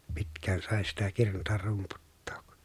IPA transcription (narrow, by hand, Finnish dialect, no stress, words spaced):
pitkˑæːn sɑˑe sitæ kirnutɑr rumputːo̥ːk